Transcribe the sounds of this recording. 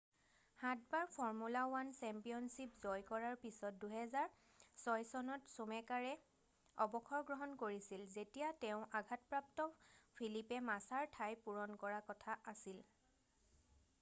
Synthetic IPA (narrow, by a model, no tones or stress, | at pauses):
hatbaɹpʰɔɹmulawansɛmpijɔnsipzɔjkɔɹaɹpisɔt̚duɦɛzaɹ | sɔjsɔnɔtsumɛkaɹɛ | ɔbɔkʰɔɹɡɹɔɦɔnkoɹisilzetijatɛʊ̃ʔaɡʱatpɹaptɔpʰilipɛmasaɹtʰajpuɹɔnkɔɹakɔtʰaʔasil